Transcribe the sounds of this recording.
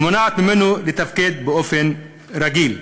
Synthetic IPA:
mʊnat̪mɪnulit̪afkiːt̪̚bɪofen | ɾɑɡiːl

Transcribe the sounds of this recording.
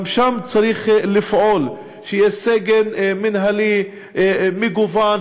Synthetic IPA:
mʃamt͡saɾiχlifʕol | ʃejeseɡenminɦali | miɡuvan

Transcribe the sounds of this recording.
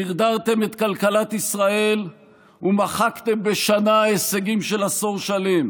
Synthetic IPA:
iʁd̪aʁt̪e̞me̞t̪kalkalat̪isʁae̞l | umaχakt̪e̞mbe̞ʃanaeseɡimʃe̞laso̞ʁʃale̞m

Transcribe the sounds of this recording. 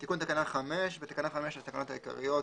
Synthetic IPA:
t̪ikunt̪akanaχameʃvet̪ḁkanaχameʃat̪akano̞t̪aika̰ʁḭjot

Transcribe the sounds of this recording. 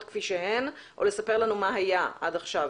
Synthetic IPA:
t̪kfiʃeɦe̞n | ʔo̰le̞sape̞ʁlanumaɦajaʔa̰daχʃav

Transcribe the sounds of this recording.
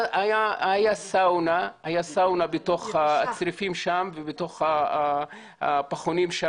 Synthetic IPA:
ajaajasawnaajasawnabeto̞χaːt͡sɾifimʃamvebeto̞χa | a̰paχonimʃa

